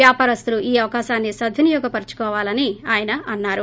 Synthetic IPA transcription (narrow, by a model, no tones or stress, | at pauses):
jaːpaːɾɐst̪uluʔiːɐʋɐkaːʃaːnːisɐd̪ʱːinijɔːɡɐpɐɾt͡ʃu̥kɔːʋaːlɐniaːjɐnɐʔɐnːaːɾu